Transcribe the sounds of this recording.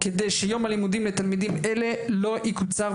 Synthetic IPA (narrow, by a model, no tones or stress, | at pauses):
ked̪ejʃejo̞mhalimud̪imlet̪almid̪imelelo̞ʔikut͡saʁ